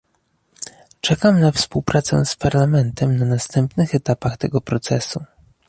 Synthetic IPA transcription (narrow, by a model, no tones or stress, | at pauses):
t͡ʂɛkamnafspuwpɾʔat̪sɛ̰̃spaɾlamɛnt̪ɛmnanast̪ɛmpnɘxɛt̪apaxt̪ɛɡɔpɾɔt̪sɛsu